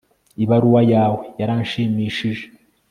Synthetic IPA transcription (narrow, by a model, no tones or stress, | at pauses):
iβaɾuwajaːwe̞jaɾaːnʃiːmiːʃiʒe